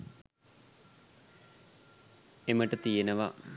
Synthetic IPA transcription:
emːɐʈːɨt̪ijɐnɐʋɐ

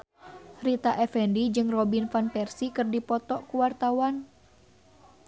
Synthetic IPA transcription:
ɾit̪aʔɛfɛndid͡ʒɨŋrɔbinfanpɛrsikɨrdipɔt̪ɔʔkuwart̪awan

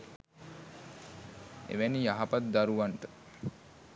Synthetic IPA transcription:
ḛʋænijaɦapat̪̚d̪aɾuʋaɳʈə

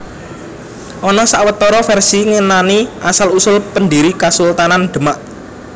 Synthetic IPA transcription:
ʔɔnɔsaʔwət̪ɔɾɔfɛrsiŋenaniʔasalusʊlpəndiɾikasult̪ananɖ̪̥ə̤maʔ

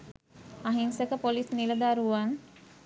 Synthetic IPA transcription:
aɦinsəkəpolisniləd̪aɾuʋan

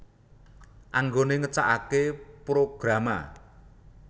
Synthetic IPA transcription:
ʔaŋɡoneŋət͡ʃa̰ʔakepɾoɡ̥ɾama̰

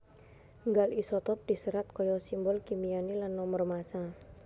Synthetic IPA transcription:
ŋɡalisɔt̪ɔp̚d̪̥i̤səɾat̪̚kɔjɔsimbɔlkimijanilanːɔmərmasa

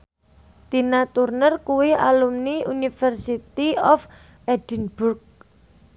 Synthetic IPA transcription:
d̪̥i̤nat̪urnərkuwɪa̰lumniunifɛrsit̪iɔf | ɛd̥ənburk̚

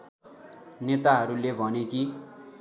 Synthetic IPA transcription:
net̪aɦʌɾulebʱʌneki

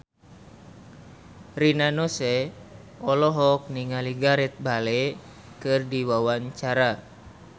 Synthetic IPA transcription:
rinanosɛ | ɔlɔɦɔk̚niŋaliɡaɾɛt̪̚balɛ | kɨrdiwawaɲt͡ʃaɾa

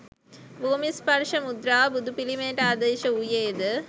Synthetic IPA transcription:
boːmispɐɾʂɐmud̪ɾaːbud̪ʱupilimeːʈaːd̪eːʃɐujeːd̪ɨ

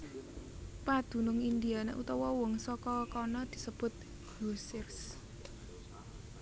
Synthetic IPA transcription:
pad̪̥ṳnʊŋind̪ianḛʔut̪ɔwɔwɔŋsɔkɔkɔnɔd̪̥i̤səb̥ʊ̤t̪̚ | ɡosɪrs

